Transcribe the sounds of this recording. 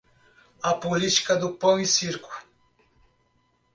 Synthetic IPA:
apolit͡ʃkad̪upowisiɾku̥

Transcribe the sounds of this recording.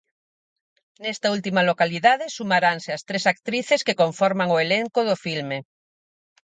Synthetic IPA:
nest̪ault̪imalokaliðaðesumaɾanseast̪ɾesak̚t̪ɾiθeskekoɱfoɾmaŋoeleŋkoðofilme

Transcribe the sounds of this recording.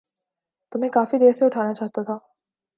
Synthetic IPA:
t̪ʊmɦekaːfid̪eːɾseʊʈʰaːnat͡ʃaːɦt̪at̪ʰaː

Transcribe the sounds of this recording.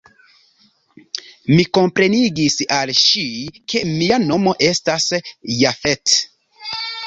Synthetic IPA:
miko̞mpɾe̞niɡisalʃikʰe̞miano̞mo̞ʔe̞stasjafet

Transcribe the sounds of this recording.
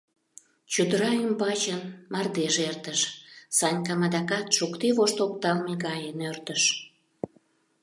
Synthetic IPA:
t͡ɕud̪əɾɑymbɑt͡ɕənmɑrd̪eʒert̪əʃsɑnʲkɑmɑd̪ɑkɑt̪ʃukt̪evoʃt̪ok̚t̪ɑlmeɡɑjənørt̪əʃ

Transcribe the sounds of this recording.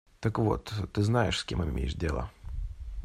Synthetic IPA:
t̪əkvo̞̰t̪t̪ːɨznajɪʂsʲkʲe̞̰mɨmʲḛjɪʂdʲelˠə̰

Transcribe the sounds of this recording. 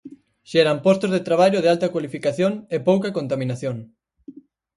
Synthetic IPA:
ʃɛɾampɔst̪ozðet̪ɾaβ̞aʎoð̞ealt̪ɐkwalifikaθjoŋepowkɐkont̪amĩnaθjoŋ

